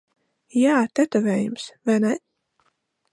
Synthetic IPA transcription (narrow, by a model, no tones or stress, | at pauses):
jaːt̪ɛt̪ɔvɛːjumsvanɛ